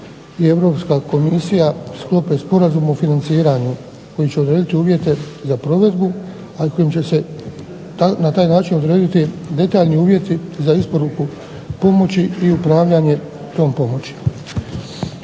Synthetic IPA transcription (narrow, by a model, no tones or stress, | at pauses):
ie̞ʋɾo̞ːpskaːko̞misijasklˠo̞pe̞spo̞ɾazumofinant̪siːɾaɲu | ko̞jit͡ɕe̞o̞d̪ɾe̞ːd̪it̪iuːʋje̞t̪e̞zapɾo̞ʋe̞d̪bu | akʰo̞jimt͡ɕe̞se̞ | t̪anat̪aːjnaːt͡ʃino̞d̪ɾe̞ːd̪it̪id̪e̞t̪aːʎniuːʋje̞t̪izaispo̞ɾuku | po̞mo̞t͡ɕiiupɾaːʋʎaɲe̞ | t̪o̞ːmpo̞mo̞t͡ɕi̥